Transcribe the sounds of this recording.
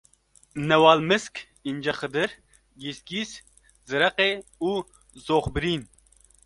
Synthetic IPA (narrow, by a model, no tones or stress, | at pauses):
nɛwɑːlmɨsk | ind͡ʒɐxɨd̪ɨɾ | ɡisɡis | zɨɾɐqeːuː | zoːxbɨɾiːn